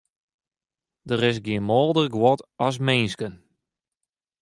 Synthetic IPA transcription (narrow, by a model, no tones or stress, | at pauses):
dəɾɪs̬ɡjiənmɔːlˠdərɡwɔtɔs̬mɪnskən